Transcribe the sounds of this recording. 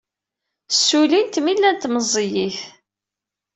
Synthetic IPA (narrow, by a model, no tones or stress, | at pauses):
sːulint̪milːænt̪məzˤijiθ